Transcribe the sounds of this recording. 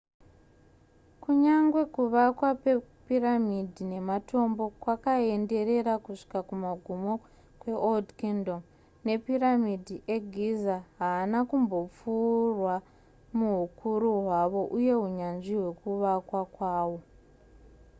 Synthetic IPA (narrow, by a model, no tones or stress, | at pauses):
kuɲaŋɡwe̞kuʋakwapepiramidʱine̞mato̞mbo̞kwakae̞nde̞ɾe̞ɾakuʂi̥kakumaɡʱumo̞ | kwe̞ʔoldkendom | ne̞piramidʱiʔe̞ɡʱizaɦaːnakumbo̞p͡furwa | muɦukʰuɾuɦwaʋo̞ʔuje̞ɦuɲanʐiɦwe̞kuʋakwakwaːwo̞